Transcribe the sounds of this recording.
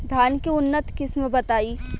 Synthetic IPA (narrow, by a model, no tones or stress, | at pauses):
d̪ʱaːnkeʊnːət̪kɪsmbɐt̪aːiː